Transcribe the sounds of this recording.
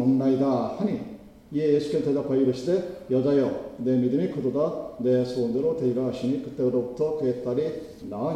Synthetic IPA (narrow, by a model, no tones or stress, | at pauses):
onːaid̪ahanʲi | ieeskʲent̪ʰed̪apʰajɾɯɕi̥t̪ejad͡ʒajod̪emid̪ɯmikɯt̪od̪ad̪esoːd̪eɾot̪ʰeiɾaɕinikɯ̥t̪ːeɯɾobɯt̪ʰokeːt̪ːaɾi | na